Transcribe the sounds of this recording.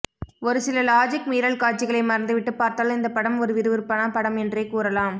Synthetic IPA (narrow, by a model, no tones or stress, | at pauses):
ɔɾɯsɪlɐlaːd͡ʒɪkmiːɾɐɭkaːt͡ʃːɪɣɐɭɐɪmɐɾɐnd̪ɯʋɪʈːɯpːaːɾt̪aːlɪnd̪ɐpːɐɽɐmɔɾɯʋɪɾɯʋɪɾpːɐɳaːpɐɽɐmɛndreːkuːɾɐlaːm